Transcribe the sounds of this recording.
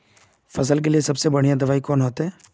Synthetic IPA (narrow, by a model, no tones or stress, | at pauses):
fɐsəlkeliesɐbsebɐɽ̤ijãd̪ɐʋaːikɔːnɦoːt̪eɦɛː